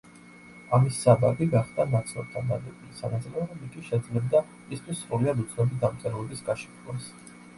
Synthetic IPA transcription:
amisːababiɡaχd̪anat̪sʰʼlˠɔ̰t̪ʰad̪ad̪ɛbisa̰nad̪zlɛɾɔmikiʃɛd̪zlɛb̚d̪a | mist̪ʰwisːɾuliad̪ut̪sʰnɔbid̪amt̪sʼɛɾulˠɛbisɡaʃɛ̥t̪ʰlas

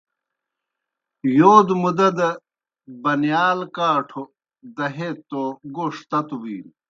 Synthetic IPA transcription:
joːd̪mud̪ɐd̪ɐ | bɐnjaːlkaːʈʰo | d̪ɐɦet̪ːoɡoʂt̪ɐt̪uwiːn

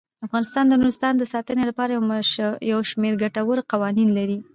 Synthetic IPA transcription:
afɣɑnɪst̪ɑnd̪ənuɾɪst̪ɑnd̪əsɑt̪ənelapɑɾajawʃmeɾɡaʈawəɾqawɑninlaɾi

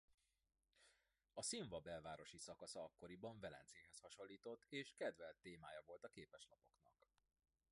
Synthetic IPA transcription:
ɒsiɱvɒbɛlvaːɾo̞ʃisɒkɒsɒɒkːo̞ɾibɒɱvɛlɛ̰nt̪seːɦɛshɒʃo̞lːiːt̪o̞t̪ːeːʃkɛd̪vɛlt̪ːeːmaːjɒvo̞lt̪ɒkeːpɛʃlɒpo̞knɒk

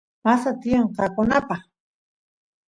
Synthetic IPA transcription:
masat̪ijeɴqɑkʊnapɑχ

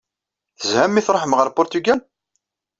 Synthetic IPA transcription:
θəzhæmːiθɾˤoħəmʁəɾˤpʊɾt̪yɡæl

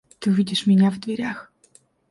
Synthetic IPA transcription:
t̪ɨvʲidʲɪʂmʲɪnʲavd̪vʲɪɾʲax

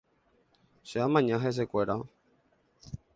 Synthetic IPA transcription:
ʃeamãɲãɦes̬ekʷeɾa

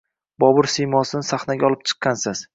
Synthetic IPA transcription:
bɒbʊɾsijmɒsɪnɪsaχnaɡʲaɒlˠɪp̚t͡ʃʰɨ̥qːɑnsɪz̥

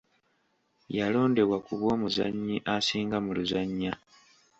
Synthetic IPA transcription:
jalo̞ːnde̞βwakuβwo̞ːmuza̰ɲːiʔasiːŋɡamuluzaɲːa

